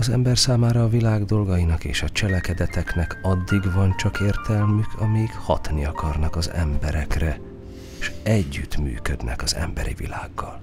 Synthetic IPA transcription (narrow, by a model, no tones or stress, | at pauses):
ɒzɛ̰mbɛrsaːmaːɾɒːvilaːɡd̪o̞lɡɒjinɒkḛːʃɒt͡ʃɛlɛkɛd̪ɛt̪ɛknɛkɒd̪ːiɡvɒnt͡ʃɒkeːrt̪ʰɛlmykʰɒmɛjikhɒ̰t̪niɒkʰɒrnɒkɒzɛ̰mbɛɾɛkrɛ | ʃɛɟːyt̪my̰ːkød̪nʔɛ̰kɒzɛ̰mbɛɾḭvḭlaːɡːɒl